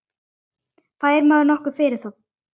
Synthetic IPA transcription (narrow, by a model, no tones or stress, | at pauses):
kaðɛɾmaːðʏɾnɔhkʏ̥fɪːɾɪɾ̥θaw